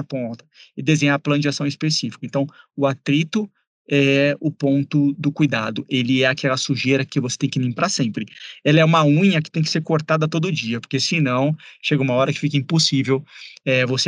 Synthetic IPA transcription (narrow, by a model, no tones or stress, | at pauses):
põt̪ɐɪd̪ezẽɲaɾplɐ̃nd͡ʒɪasɐ̃w̃ɪspesifikʊẽnt̪ɐ̃w̃ʊat̪ɾit̪ʊ | ɛʊpõnt̪ʊd̪ʊkujd̪ad̪ʊʔelɪɛakʰɛlɐsuʒeɾɐkɪvose̥t̪ẽj̃kɪmĩŋpɾasẽmpɾɪɛlɐɛũmɐũɲɐkɪ̥t̪ẽj̃kɪ̥seɾkoɾt̪ad̪ɐt̪od̪ʊd͡ʒiɐpoɾkesɪnɐ̃w̃ʃeɡɐũmɐɔɾɐkɪ̥fikɐĩposivewɛvose